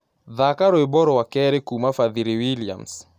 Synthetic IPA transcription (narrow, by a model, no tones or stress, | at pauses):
ðakaɾoebɔɾɔwakɛɾekumafaðiɾiwilia̰ms